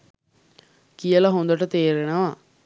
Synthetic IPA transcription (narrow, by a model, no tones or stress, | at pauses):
kijəlɐɦond̪ɐʈɐt̪eːɾenɐʋa